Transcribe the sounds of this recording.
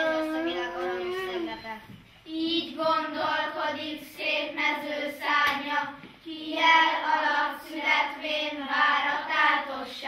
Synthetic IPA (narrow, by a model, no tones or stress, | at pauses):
iɛko | iːɟɡond̪olko̞d̪ikseːt̪mɛzøːsaːɲɒkijɛlɒlɒsyɦɛt̪ʋeːnvaːɾɒt̪aːrt̪oʃː